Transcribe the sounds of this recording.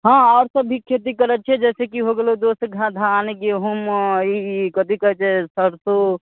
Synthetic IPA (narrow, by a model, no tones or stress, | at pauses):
ɦãaːɾsəbʱːikʰet̪̬ikəɾət͡ʃʰɛd͡ʒɛːsekiɦoɡelod̪osɡʱãd̪ʱanekeɦumikəd̪ikəɦt͡ʃʰɛsəɾso